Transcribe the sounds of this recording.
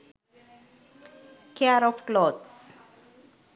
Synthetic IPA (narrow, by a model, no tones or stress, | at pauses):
kʰɛaɾɔfklɔds